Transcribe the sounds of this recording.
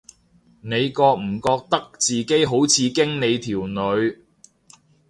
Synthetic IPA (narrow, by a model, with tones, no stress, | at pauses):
ne˨˧jkɔː˧k̚m̩˨˩kɔː˧k̚t̪ɐ˥k̚t͡siː˨˩ke˨˥jɦo˨˥wt͡sʰiː˨˧kɪ˥ŋne˨˧jt̪ʰiː˨˩wnɵ˨˧ɥ